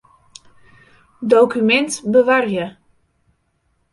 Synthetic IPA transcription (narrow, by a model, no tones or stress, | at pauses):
dowkymɛntbəʋarjə